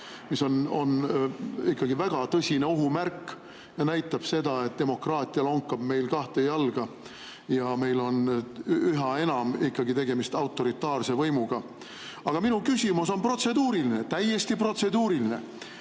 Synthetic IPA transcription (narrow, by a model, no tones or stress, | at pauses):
miso̞no̞̰n | ikːɑɡivæɡ̥ɑt̪ɤsʲineoɦumærkːˑ | jɑnæjt̪ˑːɑb̥se̞d̪̥ɑe̞t̪̚d̪̥e̞mo̞krɑːt̪ʲˑijɑloŋkːˑɑb̥me̞jlkɑht̪e̞jɑlɡ̥ɑ | jɑme̞jlo̞n | yɦɑe̞nɑmikːɑɡit̪e̞ɡ̥e̞mist̪ɑwt̪ːˑo̞ɾit̪ːˑɑːrse̞vɤjmuɡ̥ɑ | ɑɡ̥ɑminukysʲimuso̞npro̞t̪se̞d̪uːɾilinet̪æje̞st̪ipro̞t̪se̞d̪uːɾiline̞̰